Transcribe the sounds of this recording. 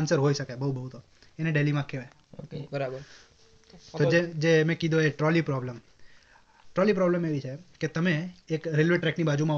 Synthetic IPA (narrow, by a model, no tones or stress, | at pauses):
nsəɾɦoiʃəkajbəubʱəɦut̪o | eneɖelimãkeʋa | oəɾabəɾ | t̪od͡ʒed͡ʒemɛ̃kid̪õeʈɾɔlipɾɔbləm | ʈɾɔlipɾɔbləmeʋit͡ʃʰeket̪əmeːkɾelʋeʈɾɛknibad͡ʒumã